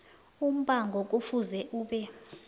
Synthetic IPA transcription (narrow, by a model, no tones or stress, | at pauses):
um̩ɓʼaŋɡʱɔk̬ʼufuzɛʔuːɓɛ